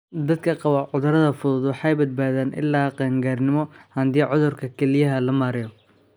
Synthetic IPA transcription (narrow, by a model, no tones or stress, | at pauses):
d̪ɐd̪̚kʰɐqɑβɐʕʊðʊɾɐðɐfʊðʊd̪wɑħɑjbɐd̪̚baːðaːnʔɪ̰lːaːqɛːŋɡaːrnɪmɔhɐnd̪iːʕʊðʊrkʰɐkʰɛlɪjɐɦɐlɐmaːɾɪjɔ